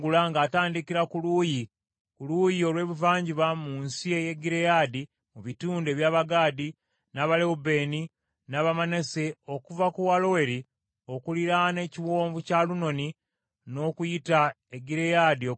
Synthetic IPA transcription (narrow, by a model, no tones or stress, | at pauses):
ɡulaŋɡaːtaːndikiɾakuluːji | kuluːjio̞lwe̞ːβuvaːɲɟiβamunsie̞je̞ɡiɾejaːdi | muβituːnde̞ːβjaːβaɡaːdi | naβaleube̞ːni | naβamane̞se̞o̞kuvakuwalo̞we̞ɾi | o̞kuliɾane̞ciwo̞ːɱvucaluno̞ni | no̞ːkujita | eɡiɾejadio